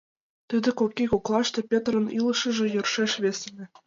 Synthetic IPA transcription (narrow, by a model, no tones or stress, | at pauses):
t̪ɯd̪ʲɘ̆kokʲːikuklˠɑʃt̪ɤ̆pʲet̪rɤ̆nilˠɤ̆ʃɤ̆ʒɤ̆jɤ̆rʃeʃβʲes̆ʲnʲɘ̆